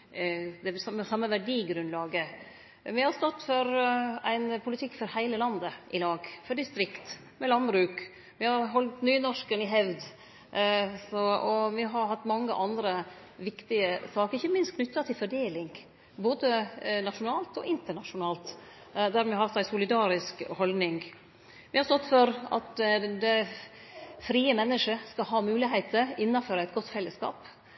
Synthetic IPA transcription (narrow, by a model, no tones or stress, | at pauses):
d̪ɛsɑməsɑmːəʋæɖiːɡɾʉnlɑːɡə | ʋɪhɑɾst̪ɔt̪ːfɔɾæɪnpʰʊlɪt̪ʰɪkːfɔɾhæɪləlɑnd̪əʔɪlɑːɡfɔɖɪst̪ɾɪkt̪ | mɛlɑnbɾʉːk | ʋɪhɑɾɦɔlt̪nyːnɔʂkənɪɦɛʋd̪ | sɔɔʋɪɦɑɾhɑt̪ːmɑŋːə̰ʔɑnd̪ɾə | ʋɪkt̪ɪəsɑːkəɾɪçːəmɪnst̪kʰnʏt̪ːɑt̪ʰɪlfɔɖeːlɪŋɡ | boːd̪ənɑʂʊnɑːlt̪ɔ̰ʔɪnt̪əɳɑʂʊnɑːlt̪ | d̪æɾmɛhɑft̪sæɪsʊlɪd̪ɑːɾɪskhɔld̪nɪŋ | ʋɪhɑst̪ɔt̪ːfɔɾɑ̰t̪d̪ɛ | fɾiːəmɛnːəʂəskɑɦɑːmʉːlɪɦæɪt̪əɾɪnːɑføːɾəɛɪt̪ɡɔt̪ːfɛlːəskɑ̰ːp